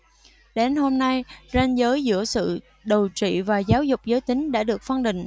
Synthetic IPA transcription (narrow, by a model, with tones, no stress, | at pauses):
ɗe˨˦nho˧mna˧jzɛ˧nzəː˨˦jzɨ̰˧˥əsɨ̰˧˨ | ɗə˨˩wt͡ɕḭ˧˨vaː˨˩zaː˨˦wzʊ˨˩k͡p̚zəː˨˦jt̪ï˨˦ŋ̟ɗa̰ː˧˥ɗɨ˨˩ək̚fə˧nɗḭ̈˨˩ŋ̟